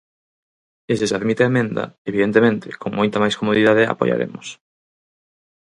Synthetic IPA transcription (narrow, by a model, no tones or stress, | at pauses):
esɪseaðmit̪eaemẽnd̪ɐ̰eβiðent̪emẽnt̪ɪkoŋmojt̪ɐmajskomoðiðað̞ea̰po̰ja̰ɾḛmʊs